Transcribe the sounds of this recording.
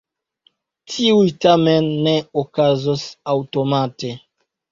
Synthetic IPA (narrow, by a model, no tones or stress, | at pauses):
tʰiujtame̞nːe̞okazosawto̞mate̞